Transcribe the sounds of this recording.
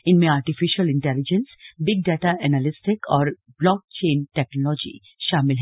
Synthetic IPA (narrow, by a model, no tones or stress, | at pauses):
ɪnmẽaːɾʈɪfɪʃəlɪ̃ɳʈɛlɪd͡ʒə̃nsbɪɡ̚ɖɛːʈaʔɛnalɪsʈɪkʰɔːɾ | blɔːk̚t͡ʃẽːnʈɛknɔlɔːd͡ʒḭ | ʃaːmɪlɦɛ